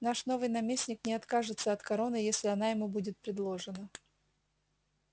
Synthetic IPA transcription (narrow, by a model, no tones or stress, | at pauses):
naʂno̞vɨjnɐmʲesʲnʲɪknʲɪɐt̪kaʐɨt̪səɐt̪kɐɾo̞nɨjesʲlʲɪɐnajɪmubudʲɪt̪̚pɾʲɪd̪lˠo̞ʐɨnə